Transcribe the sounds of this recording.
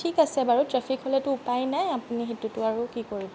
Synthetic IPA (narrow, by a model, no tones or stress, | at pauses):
tʰikasɛbaɹutɹɛpʰikʰɦolɛtʊʊpajnajapuniɦetutʊaɹukikoɹibɔ